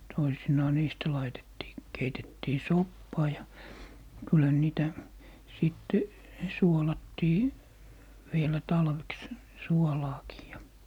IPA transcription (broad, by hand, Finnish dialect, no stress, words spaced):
toisinɑː niːstæ lɑitetːiː keitetːiː sopːɑː jɑ kylhæ ne niːtæ siˑtːe suolɑtːiː ʋielæ tɑlʋeks suolɑːkiː jɑ